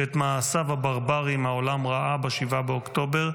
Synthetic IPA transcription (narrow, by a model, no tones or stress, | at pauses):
et̪maːsavhabaʁbaʁimhaolamʁaʔabaʃivabeokt̪o̞be̞ʁ